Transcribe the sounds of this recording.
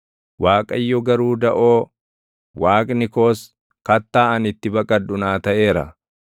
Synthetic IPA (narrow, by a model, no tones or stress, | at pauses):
waːkʼɐjːɔɡɐɾuːd̪ɐʔoː | waːkʼnɪko̞ːs | kɐt̪ːaːʔɐnɪt̪ːɪbɐkʼɐd̪ːʊnaːt̪ɐʔe̞ːɾɐ̰